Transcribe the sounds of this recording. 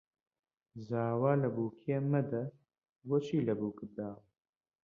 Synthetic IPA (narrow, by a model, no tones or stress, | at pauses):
zaːwaːlɐbuːkʰemɐd̪ɐ | ɡot͡ʃʰiːlɐbuːkɨd̪aːw